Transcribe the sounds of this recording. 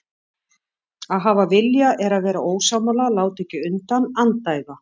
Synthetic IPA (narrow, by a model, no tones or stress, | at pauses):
aðɦaːvavɪljaʔɛɾaðvɛːɾaoːwsaːmalalaːwt̪ɛcɪʏnt̪anant̪aːjɣa